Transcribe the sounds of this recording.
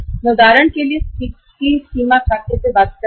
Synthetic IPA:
nud̪aɾəɳkeliːspik | kisimakʰaket͡sebad̪̚k

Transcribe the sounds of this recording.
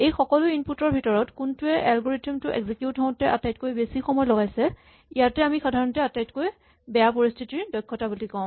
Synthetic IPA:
ejxɔkɔlʊinputɔɹbʱitɔɹɔtkʊntʊɛʔalɡoɹitimtʊʔɛ̰ɡzikjutɔ̃tɛʔa̰tajtkojbesixɔmɔjlɔɡajsɛ | ijatɛamixadʱaɹɔntɛatajtkoj | bɛjapoɹistʰitiɹdɔjkʰːɔtabulikɔʊ̃

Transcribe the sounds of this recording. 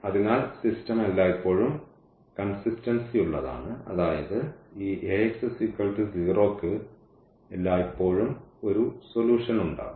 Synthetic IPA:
ɐðinaːlsistɐmelːaːipːo̞ːɻum | kɐnsistɐnsijuɭːɐða̰ːɳɨɐ̰ðaːjɐðɨiːʔeeksɐsikːɐlʈiziːro̞ːkːɨ | elːaːipːo̞ːɻumo̞ɾuso̞luːʂɐnuɳɖa̰ːu

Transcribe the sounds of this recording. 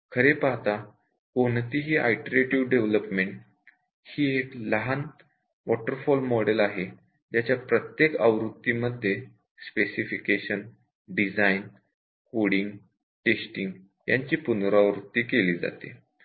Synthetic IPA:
kʰəɾepaɦt̪a | kont̪iɦiːʔa̰jʈəɾeʈiʋɖeʋləpmeɳʈ | hiːekləɦan | ʋɔʈəɾfɔlmɔɽelaɦe | t̪jat͡ɕjapɾət̪jekaʋɾut̪ːiːməd̪ʱːje | spesifikeɕən | ɖid͡zajn | koɽiŋɡ | ʈesʈiŋɡ | jaɲt͡ɕiːpunɾaʋɾut̪ːiːkeliːd͡za̰t̪ḛ

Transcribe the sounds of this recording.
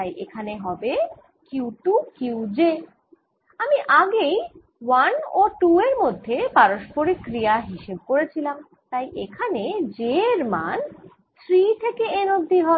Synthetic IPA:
ajʔekʰaneɦɔbe | kiwʈukiwd͡ʑe | amiʔaɡej | wanoʈueɾmod̪ʱːepaɾoʃpoɾikɾijaɦiʃeb̚koɾet͡ɕʰilam | t̪ajʔekʰaned͡ʑeɾman | st̪ɾit̪ʰekeenod̪ʱːiɦɔe

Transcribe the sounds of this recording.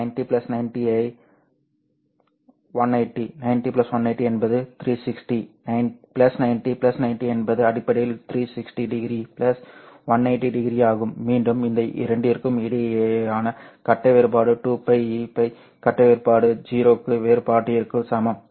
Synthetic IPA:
nɐɪnʈiplɐsnɐɪnʈiɐɪ | ʋɐnɐɪʈːinɐɪnʈipɪlɐsʋɐnɐɪʈːiɛnbɐðɯt̪ɾiːsɪksʈinɐɪnplɐsnɐɪnʈipɪlɐsnɐɪnʈiɛnbɐðɯɐɽɪpːɐɽɪjɪlt̪ɪɾiːsɪksʈiɖɪɡɾipɪlɐsʋɐnɐɪʈːiɖɪɡɾiaːɣɯmːiːɳɖɯmɪnd̪ɐʔɪ̰ɾɐɳɖɪɾkːɯmɪɽɪjaːnɐkɐʈːɐʋeːɾɯpaːɽɯʈuːpɐɪipɐɪ | kɐʈːɐʋeːɾpaːɽɯd͡ʒiːɾoːkːɯʋeːɾpaːʈːɪjɐɾkːɯsɐmɐm

